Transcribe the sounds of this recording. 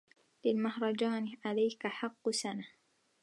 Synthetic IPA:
lɪlmahɾˤɑd͡ʒaːnɪʕalajkaħɑqːsana

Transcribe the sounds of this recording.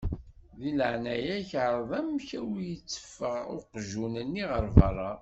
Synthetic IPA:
ðiləʕnæjæçʕɾˤðˤæmçæwijət͡sːə̥fːəʁʊqʒunənːiʁəɾˤvɑ̰rˤːɑ

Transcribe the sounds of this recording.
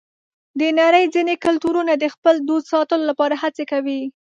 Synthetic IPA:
d̪ənaɾəjd͡zinekʊlt̪uɾunad̪əxpəld̪od̪sɑt̪əlolapɑɾahat͡sekawi

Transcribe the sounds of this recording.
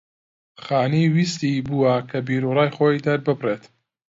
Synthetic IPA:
χaːniwist̪ibuːwɐkʰɐbiːɾurɑːjχoːjd̪ɐɾbɨbret̪

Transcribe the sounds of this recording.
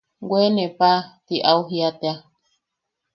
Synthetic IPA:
ɡwenẽpat̪iʔauɦiat̪ea

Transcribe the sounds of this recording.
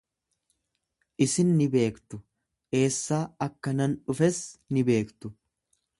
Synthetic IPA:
ʔɪsɪnːɪbe̞ːkt̪ʊ | ʔe̞ːsːaːɐkːɐnɐnᶑʊfɛsnɪbe̞ːkt̪ʊ

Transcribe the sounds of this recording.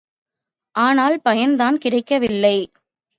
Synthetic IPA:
ʔaːnaːlpɐjɐnd̪aːnkɪɽɐɪkːɐʋɪlːɐɪ

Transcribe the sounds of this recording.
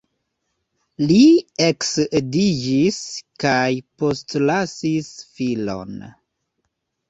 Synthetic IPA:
lieksdid͡ʒiskajpo̞stlasisfilo̞̰n

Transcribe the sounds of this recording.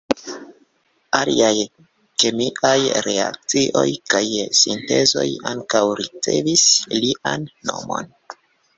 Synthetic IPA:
aliaj | kemiʔajɾe̞a̰k̚t͡siʔo̞jkajsinte̞zo̞jaŋkawɾit͡se̞visliʔanːo̞mo̞̰n

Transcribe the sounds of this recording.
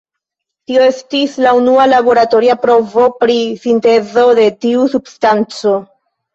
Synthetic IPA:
tio̞e̞stislaunualabo̞ɾato̞ɾiapɾo̞vo̞pɾisinte̞zo̞de̞tiusubstant͡so̞

